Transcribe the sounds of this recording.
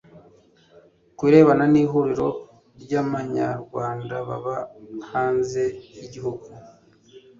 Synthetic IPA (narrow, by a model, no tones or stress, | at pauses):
kwiːɾe̞ːβananiːɦuɾiɾo̞ | ɾɟaβaɲa̰ɾɡwaːndaβa̰βahaːnze̞jiɟiɦuɡu